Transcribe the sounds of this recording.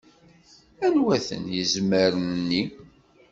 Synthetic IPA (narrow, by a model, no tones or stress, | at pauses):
ænwæθə̰njəzməɾənːi